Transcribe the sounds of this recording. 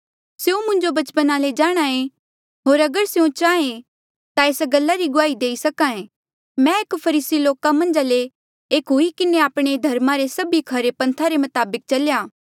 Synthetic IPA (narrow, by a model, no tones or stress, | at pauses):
seːũmʊ̃ɲd͡ʒobɐt͡ʃpənaled͡ʒaːɽ̃aẽ | ɦoːɾɐɡəɾseũt͡ʃaːẽ | t̪aeːsɡɐlːaɾiɡʊaːid̪eːisɐkãẽ | mɛ̃eːkpʰɐɾiːsiloːkamɐ̃nd͡ʒaːle | eːkɦuikɪneaːpɽ̃ed̪ʱɐɾmaɾesɐbikʰɐɾepɐ̃nt̪ʰaɾemɐt̪aːbɪk̚t͡ʃɐljaː